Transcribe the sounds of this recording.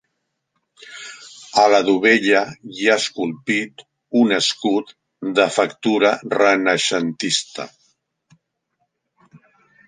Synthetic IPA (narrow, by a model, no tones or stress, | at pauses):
ələðuβ̞eʎəiaəskulˠpit̪ | unəskut̪ | d̪əfəkt̪uɾərənəʃənt̪ist̪ə̰